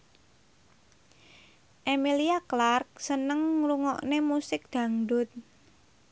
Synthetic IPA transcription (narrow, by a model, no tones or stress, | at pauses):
ʔemiliaklark̚sənəŋːluŋɔ̰ʔnemusɪk̚d̪̥ä̤ŋɖʊ̤t̪̚